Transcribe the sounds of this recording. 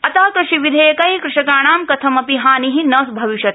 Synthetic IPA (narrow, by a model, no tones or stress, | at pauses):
ɐt̪aːkɾɨʃiʋid̪ʱɐjɐkɐikɾɨʃɐkaːɳ̃aːmkɐt̪ʰɐmɐpiɦaːniɦinɐsbʱɐʋiʃɐt̪